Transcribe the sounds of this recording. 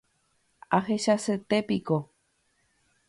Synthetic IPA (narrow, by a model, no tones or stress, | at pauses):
aɦe̞ʃaset̪epiko